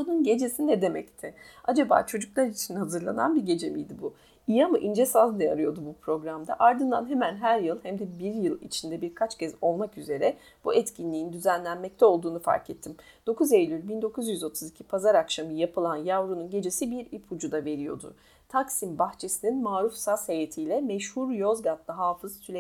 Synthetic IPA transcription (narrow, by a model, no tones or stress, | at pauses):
ununɟe̞d͡ʒe̞sinɛd̪e̞mɛct̪ʰɪad͡ʒaba̰ːt͡ʃʰo̞d͡ʒuklˠaɾit͡ʃʰinhazɯɾlˠa̰na̰nbiɟe̞d͡ʒe̞mḭjd̪ibu | ijamɯʔind͡ʒesazneja̰ɾɯjo̞d̪ubupɾo̞ɡɾamd̪a̰ʔaɾd̪ɯnd̪a̰nɦemænɦæɾjɯlˠhæmd̪ɛbiɾjɯlˠḭt͡ʃʰind̪ɛbiɾkʰat͡ʃcʰɛzo̞lˠmakyze̞ɾɛ | b̥uɛt̪cʰinlʲiind̪yzænlʲænmɛc̚t̪ʰɛo̞lˠd̪uːnufa̰ɾkɛt̪ʰːim | d̪̥o̞kʰuzejlʲylʲbind̪o̞kʰuzjyzo̞t̪ʰuzicʰipʰazaɾakʃamɯjapɯlˠanjavɾununɟe̞d͡ʒe̞sibiɾipʰud͡ʒud̪ave̞ɾijo̞̰d̪ṵ | t̪ʰaksimbaxt͡ʃʰe̞sininmaːɾufsashejet̪ʰijlʲɛmɛʃhuɾjo̞zɡat̪lˠɯɦaːfɯz̥sʰylʲe